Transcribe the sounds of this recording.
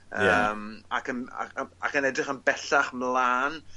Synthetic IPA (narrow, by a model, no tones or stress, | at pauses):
əːma̰kəna̰a̰kənɛdrɪχənbɛɬaχmlˠaːn